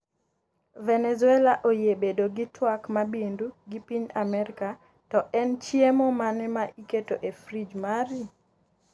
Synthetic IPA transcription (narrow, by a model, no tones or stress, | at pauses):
vɛnɛzuɛlaʔojebedoɡitwakmabinduɡipiɲamɛɾika | tɔʔɛnt͡ʃjemɔmanɛmaʔiketoʔefrid͡ʒmaɾi